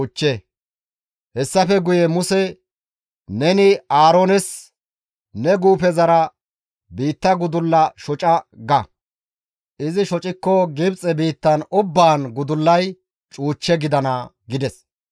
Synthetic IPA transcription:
ʊt͡ʃːe | hɛsːɐfɛɡʊjɛmʊsɛ | nɛnɪaːɾonɛs | nɛɡuːpɛzɐɾɐ | biːt̪ːɐɡʊd̪ʊlːɐʃɔt͡ʃʼɐɡɐ | ʔɪzɪʃɔt͡ʃʼɪkːɔɡɪbt͡sʼɛbiːt̪ːɐnʊbːaːnɡʊd̪ʊlːɐj | t͡ʃʼuːt͡ʃːɛɡɪd̪ɐnɐ | ɡɪd̪ɛs

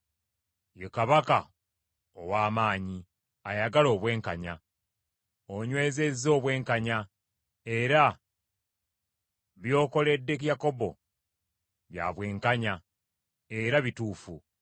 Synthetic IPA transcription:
jekaβaka | owaːmaːɲi | ajaɡalo̞ːβwe̞ːŋkaɲa̰ | oɲwe̞ːze̞zo̞ːβwe̞ːŋkaɲa | e̞ɾa | βjo̞ːko̞le̞dːe̞k̬jako̞bo̞̰ | βja̰ːβwe̞ːŋkaɲa | e̞ɾaβituːfu

